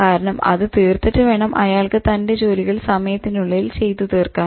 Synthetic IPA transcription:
kaːɾɐɳɐmɐ̰ðɨt̪iːrt̪ːɐtːɨʋe̞ːɳɐmʔɐ̰jaːɭkɨt̪ɐnde̞d͡ʑo̞ːliɣɐɭsɐmɐjɐt̪ːinuɭːɐilt͡ɕe̞jt̪ːut̪iːrkaː

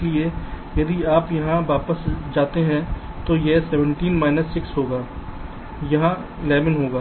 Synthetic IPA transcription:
lie | jɐd̪iaːpjɐɦãʋaːpəsd͡ʒaːt̪eɦɛ̃ | t̪ojesɛːʋə̃ɳʈiːnmaːɪnəsːɪksɦoːɡaː | jɐɦã | ɪlɛːʋənɦoːɡaː

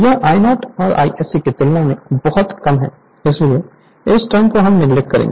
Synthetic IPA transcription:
jɐʔaːɪnɔːʈɔːɾa̰ːiʔɛːsiket̪ɪlnãmẽbɔɦʊt̪kɐmɦɛ̰̃ː | ɪslie | ɪsʈaːmkoɦɐmnɪɡlɪkkkɐɾḛ̃ŋɡe

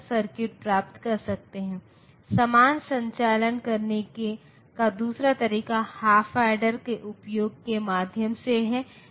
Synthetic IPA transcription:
səɾkɪʈ̚pɾaːp̚t̪kɐɾsɐk̚t̪eɦɛ̃ː | sɐmaːnsɐ̃ɲt͡ʃaːlənkɐɾneke | kad̪uːsɾat̪ɐɾiːkahaːfʰaːɖəɾkeʔʊpjoːɡ̚kemaːd̪ʱjəmseɦɛ̃

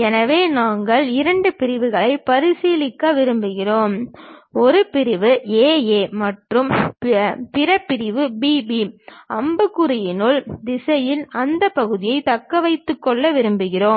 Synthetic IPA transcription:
ɛnɐʋeːnaːŋɡɐɭɪɾɐɳɖɯpɪɾɪʋɯɣɐɭɐɪpɐɾɪsiːlɪkːaʋɪɾɯmbɯɣɪroːmɔɾɯpɪɾɪʋɯeːeːmɐʈrɯm | pɪɾɐpːɪɾɪʋɯbiːbiɐmbɯkːɯɾɐjɪnɯɭd̪ɪsɐjɪlɐnd̪ɐpːɐɣɯðɪjɐɪt̪ɐkːɐʋɐɪt̪ːɯkːɔɭːɐʋɪɾɯmbɯɣɪroː

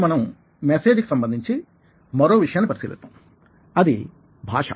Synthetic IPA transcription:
mɐnɐm | meseːd͡ʒku̥sɐmbɐnd̪ʱiɲt͡ʃi | mɐɾo̞ːʋiʂɐjaːnːipɐɾisiːlḭst̪ːa̰ːm | ɐd̪i | bʱa̰ːʂɐ̰

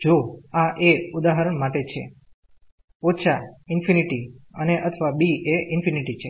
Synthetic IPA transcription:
d͡ʒoaʔeud̪aɦəɾəɳmaʈet͡ʃʰḛ | oʃʰaɪnfʰiniʈiəneʔət̪ʰʋabieʔɪnfʰiniʈit͡ʃʰe

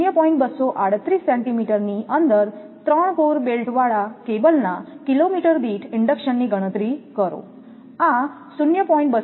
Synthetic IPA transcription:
jəpɔiɳʈbəsɔʔaɽ̤ət̪ːɾiːsːɛ̃ɳʈimiʈəɾniʔənd̪əɾ | t̪ɾəɳkoɾbelʈʰʋaɭakebəlnakilomiʈəɾb̪iːʈʰiɳɖəkɕənːiːɡʱəɽ̃ət̪ɾiːkəɾo̰ | ã | sunjəpɔĩɳʈ̚bə

